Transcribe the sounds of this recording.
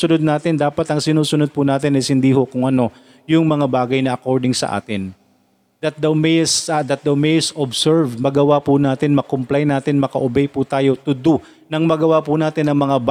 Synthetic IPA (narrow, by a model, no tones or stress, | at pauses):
sʊnod̪̚naːt̪ɪnd̪aːpɐt̪ɐŋsɪnuːsʊnod̪̚pʊnaːt̪ɪnɛshɪnd̪iho̞kʊŋʔɐno̞ | jʊŋmɐŋabaːɡɐjnɐʔɐko̞ɹd̪ɪŋsɐ̰ʔa̰ːt̪ɪn | d̪ɐt̪̚d̪ɐwmɛjsɐd̪ɐt̪̚d̪ɐwmɛjɪsobsɛɹvd̪mɐɡɐwapʊnaːt̪ɪnmɐkomplajnːaːt̪ɪnmɐkɐʔobɛjput̪aːjo̞t̪ʊd̪u | nɐŋmɐɡɐwapʊnaːt̪ɪnːɐŋmɐŋab